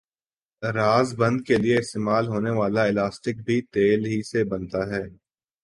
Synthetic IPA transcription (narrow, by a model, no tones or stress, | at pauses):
ɾaːzbɐ̃nd̪̚kelieɪst̪eːmaːlɦoːneʋaːlaɪlaːsʈɪk̚bʱit̪eːlɦisebɐ̃nt̪aɦɛː